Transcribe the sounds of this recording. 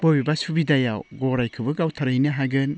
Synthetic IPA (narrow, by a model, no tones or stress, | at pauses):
b̥obibasubidajawɡɔɾajkʰɯbɯɡawtʰaɾɯjnɯɦaɡɯn